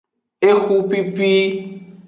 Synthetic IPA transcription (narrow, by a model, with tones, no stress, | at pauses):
e˦xu˦pi˦pi˦